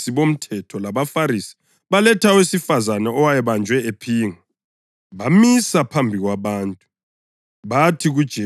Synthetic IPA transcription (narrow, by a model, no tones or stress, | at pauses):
siβom̩tʰɛtʰɔlaβafaɾisi̥ | βalɛtʰawesifazanɛɔwajɛβand͡ʒʱwɛepʰiːŋa | βamisapʰambʱiɣwaβaːntʼu | βatʰiɣud̥ʒ̥ʱɛ